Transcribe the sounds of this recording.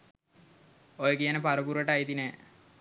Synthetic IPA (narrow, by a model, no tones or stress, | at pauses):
ojkijanepaɾupuɾəʈajit̪ine